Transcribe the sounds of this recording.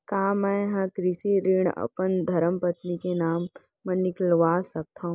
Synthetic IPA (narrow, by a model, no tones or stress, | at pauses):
kaːmɛ̃ɦɐ̃kɾɪseɾiɳ̃ɐ̰pənd̪ʱɐɾəmpɐt̪nikenaːmː | ɐnːɪklʋaːsɐk̚t̪ʰaːɦũ